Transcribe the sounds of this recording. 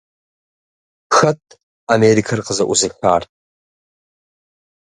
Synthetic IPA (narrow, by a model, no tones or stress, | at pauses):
xɐtʼ | ameɾikʰarqəzɐʔʷuziħʷaːrʼ